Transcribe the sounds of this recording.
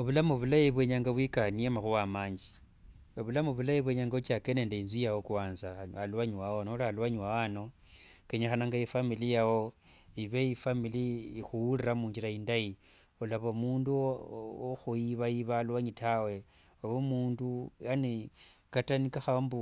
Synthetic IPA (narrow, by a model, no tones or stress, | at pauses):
oβulamuβulajiβwe̞ɲaŋɡaβwikaniemaxuwamaːɲd͡ʒi | oβulamuβulajiβweɲaŋɡaut͡ʃakeneːndeinzijawokuwaːnzaalwaɲwaonolaalwaɲiwawano̞ | keɲexanaŋɡaifamilijawo | iβeifamiliːxuwuliɾamuːɲd͡ʒiɾaindaji | olaβomuːnduoxuiβaiβalwaɲitawe̞ | oβomuːnduanekatanikaxambu